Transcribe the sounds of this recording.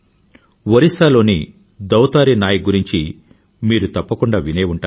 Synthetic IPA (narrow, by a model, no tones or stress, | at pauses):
ʋɐɾisaːlo̞ːni | d̪ɐwt̪aːɾinaːjɐɡuɾiɲt͡ʃi | miːɾut̪ɐpːɐkuɳɖaːʋineːuɳʈaː